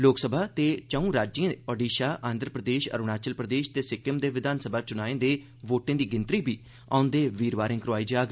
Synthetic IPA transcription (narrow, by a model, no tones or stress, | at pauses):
loːksəbʱaːt̪eːt͡ʃəũːɾaːd͡ʒiə̃ɔɖiːʃaːʔãːnd̪ɾəpɾəd̪eːʃə̰ɾʊɳaːt͡ʃəlpɾəd̪eːʃt̪eːsɪkːəmd̪eːʋɪd̪aːnsəbʱaːt͡ʃʊnaːẽːd̪eː | ʋoːʈẽːd̪iːɡɪnt̪ɾiːbiː | a̰ːʊnd̪eːʋiːɾʋaːɾɪ̃ːkɾʊaːiːd͡ʒaːɡ